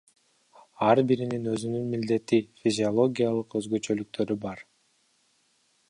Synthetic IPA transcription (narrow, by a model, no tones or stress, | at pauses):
ɑɾbiɾininøzynynmild̪e̞t̪ifʲizʲɪo̞lˠo̞ɡʲijalˠɯqø̞zɡø̞t͡ʃø̞lyk̚t̪ʰø̞ɾybɑɾ